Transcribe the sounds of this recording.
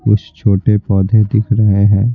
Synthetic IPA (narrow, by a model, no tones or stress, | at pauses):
kʊt͡ʃʰt͡ʃʰoːʈepɔːd̪ʱed̪ɪkʰɾɐɦeɦɛ̃ː